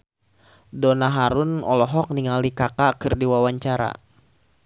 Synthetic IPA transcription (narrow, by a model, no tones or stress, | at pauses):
dɔnaɦaɾunɔ̰lɔɦɔk̚niŋalikakakɨrdiwawaɲt͡ʃaɾa̰